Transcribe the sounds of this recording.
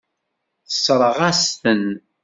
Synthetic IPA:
θə̥sˤɾˤəʁæst̪ən

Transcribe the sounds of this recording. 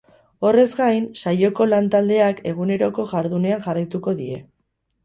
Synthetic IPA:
o̞re̞zɡajnsajo̞ko̞lant̪ald̪e̞ake̞ɣ̞une̞ɾo̞ko̞ʝaɾðune̞anʝarajt̪uko̞ðie̞

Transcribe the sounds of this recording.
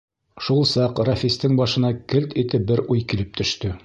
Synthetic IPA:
ʃulˠsɑqrɐfʲist̪ɘŋbɑʃɤ̆nɑkɘlt̪it̪ɘbɘɾʔujkilɘp̚t̪ɵ̆ʃt̪ɵ

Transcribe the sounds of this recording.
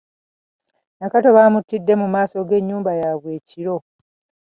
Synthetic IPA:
nakato̞βaːmutːidːe̞mumaːso̞ɡe̞ɲːuːmbajaːβwe̞ːciɾo̞

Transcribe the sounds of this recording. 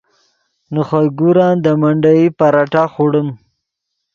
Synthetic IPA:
nuχajɡuɾɑːnd̪əmaɳɖajipaɾaʈaχuɽəm

